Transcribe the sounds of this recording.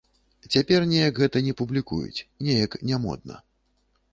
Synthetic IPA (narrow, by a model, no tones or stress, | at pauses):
t͡sʲapʲɛrnʲɛjɐkɣɛt̪ɐnʲɛpublʲikṵjṵt͡sʲnʲɛjɐknʲɛmɔ̰d̪̚nɐ̰